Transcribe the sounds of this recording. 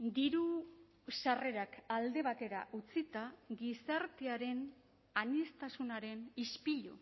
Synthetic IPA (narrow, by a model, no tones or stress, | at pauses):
d̪iɾu | sare̞ɾakald̪e̞βat̪e̞ɾa̰ʔut͡sit̪aɡisaɾt̪eaɾe̞n | aɲest̪asunaɾe̞nispiʎṵ